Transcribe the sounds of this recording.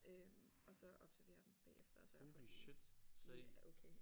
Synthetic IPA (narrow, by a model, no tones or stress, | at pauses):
ømʔɒ̽sɒ̽ɒ̽b̥sæɐʋe̝̰ːɐd̥emb̥ɛ̰ːefd̥ɐɒsɒf | ʔokʰeː